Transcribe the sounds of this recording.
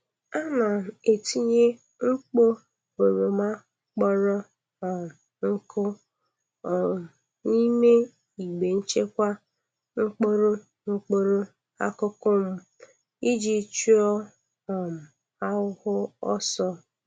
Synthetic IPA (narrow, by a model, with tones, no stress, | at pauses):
a˦na˨e˨ti˦ɲe˦ | ŋ͡m̩˦k͡po˦ | o˨ɾo˨ma˦ | k͡pɔ˦ɾɔ˦ | ɔ˨m˨ | ŋ̩˦kʰʊ˦ | ɔ˨m˨ | ni˦me˦ | i˨ɡ͡be˨n̩˦t͡ʃe˦kʷa˦ | ŋ͡m̩˦k͡po˦ɾo˦ | ŋ͡m̩˦k͡po˦ɾo˦ | a̰˦kʊ˦kʊ˦m̩˦ | i˦d͡ʒi˦t͡ʃu˦ɔ˦ | ɔ˨m̩˨ | a˦ʊ˦hʊ˦ɔ˦sɔ˦